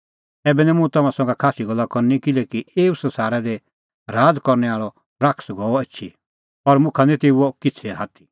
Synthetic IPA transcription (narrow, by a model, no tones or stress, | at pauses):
ɛːbɛnɛ̃mũt̪ɐmãsɐ̃ŋɡakʰaːsiɡɐlːakɔɾnikɪlɛkieːusɐ̃saːɾɛd̪ɛ | ɾaːd͡zkɔɾnɛaːɭɔ | pɾakʰsɡɔɔeːt͡ʃʰi | ɔɾmʊ̃kʰanɛ̃t̪eːuokɪt͡sʰɛɦaːt̪ʰi̥